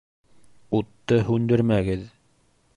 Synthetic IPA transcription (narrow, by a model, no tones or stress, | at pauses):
ut̪ːɤɦʉnd̪ɘ̆ɾmæɡɘð